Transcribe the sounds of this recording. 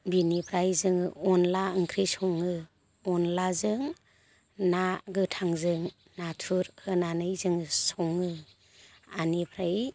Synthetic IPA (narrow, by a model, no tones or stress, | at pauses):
binipʰɾajzɯŋɯɔnlaɯŋkʰɾisɔŋɯ | ɔnlazɯŋ | naɡɯtʰaŋzɯŋ | natʰuɾhɯnanɯjzɯŋɯsɔŋɯ | anipʰɾaji